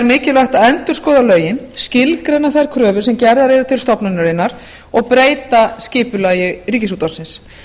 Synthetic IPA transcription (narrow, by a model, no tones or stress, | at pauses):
ɛɾmɪːcɪlvaht̪aɛnt̪ʏɾ̥skɔːðalœːɥjɪnscɪlkɾejnːaθajɾ̥kʰɾœːvʏsɛmcɛɾðaɾejɾʏt̪ʰɪlst̪ɔpnʏnːaɾɪnːaɾ | ɔɣpɾeːjt̪ascɪːpʏlaːjʏriːcɪsuːt̪awsɪns